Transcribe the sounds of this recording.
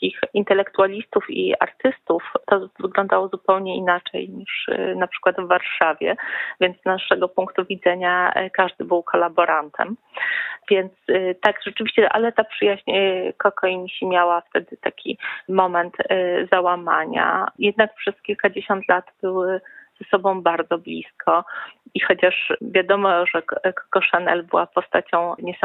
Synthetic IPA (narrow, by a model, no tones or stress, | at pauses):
kʲixint̪ɛlɛkt̪ualʲist̪ufḭa̰ɾt̪ɘst̪uft̪ɔvɘɡlɔ̃nd̪awɔzupɛwɲɛinat͡ʂɛ̰jɲiʂnapʂɘ̥kwad̪vːaɾʂavʲjɛ̰vʲjɛnt̪znaʂɛɡɔpuŋkt̪uvʲid̪zɛɲakaʐd̪ɘbɘwkʰɔlabɔɾant̪ʰɛ̰m | vʲjɛnt̪st̪akʐɛt͡ʂɘvʲiɕt͡ɕɛʔa̰lɛt̪apʂɘjaʑɲɛkɔkɔjmɕimʲjawaft̪ɛd̪ɘt̪akʲḭmɔmɛnt̪zawamaɲa̰jɛd̪nak̚pʂɛskʲilkad͡ʑeɕɔnt̪lat̪b̥ɘwɘz̥ɛsɔbɔ̃w̃baɾd̪zɔblʲḭskʰɔixɔt͡ɕaʂvʲjad̪ɔmɔʐɛkɔ̥kɔʂɛnɛ̰lbɘwapɔst̪at͡ɕɔ̃w̃ɲɛs